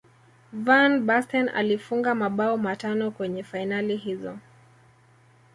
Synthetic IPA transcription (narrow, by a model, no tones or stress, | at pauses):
vanbastɛna̰lifuŋɡamaɓaɔmatanɔkwɛɲɛfainaliɦizɔ̰